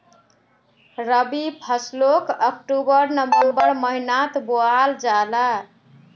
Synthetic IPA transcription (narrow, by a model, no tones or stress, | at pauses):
ɾəbipʰəslokək̚ʈubəɾnʌmbeobəɾməɦinat̪boald͡ʒala